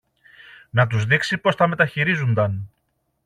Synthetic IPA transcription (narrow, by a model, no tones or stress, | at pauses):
nɐt̪̬uzðiksipo̞st̪ɐme̞t̪ɐçiɾizund̪ɐn